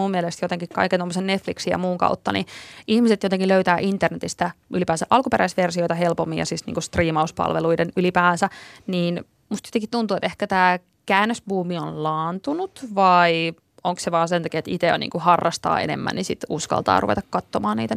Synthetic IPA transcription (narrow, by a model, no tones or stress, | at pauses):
umːiɛlest̪jot̪eŋkikkɑ̰ikent̪omːosennet̪fliksijɑ̰muːŋkɑ̰ut̪ːɑnḭʔihmiset̪jot̪eŋkiløyt̪æːʔint̪ːernet̪ist̪æʔylipæːsæʔɑlkupeɾæisʋersiojt̪ɑhelpomːiɑ̰sisnḭːŋkust̪riːmɑuspɑ̰lʋḛluidenylipæːnsæniːn | must̪jot̪eŋkit̪t̪unt̪uːet̪ehkæt̪æː | kæːnːøsbuːmionlɑːnt̪unut̪ʋɑi | oŋkseʋɑːnsent̪ɑkiet̪it̪ḛnḭːŋkuhɑrːɑst̪ɑ̰ːḛnḛmːæ̰nnisit̪uskɑ̰lt̪ɑ̰ːrṵʋet̪ɑkkɑt̪ːomɑːnḭːt̪æ